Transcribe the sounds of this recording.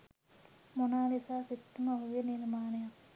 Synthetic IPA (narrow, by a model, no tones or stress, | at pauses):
monaːlisaːsit̪ːumɐʋɐʋiniɾmaːnɐjak